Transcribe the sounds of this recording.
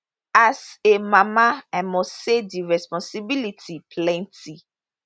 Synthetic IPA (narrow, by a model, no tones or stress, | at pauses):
asemamaãmɔsediɹɛspɔ̃nsibilitʰipʰlɛ̃nti